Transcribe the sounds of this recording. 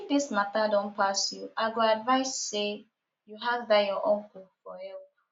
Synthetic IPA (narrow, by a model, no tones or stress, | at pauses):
ifdismatadɔ̃npasjuʔaɪɡoadvaɪsːe | juɦavdajɔʔɔ̃nkufɔhɛlp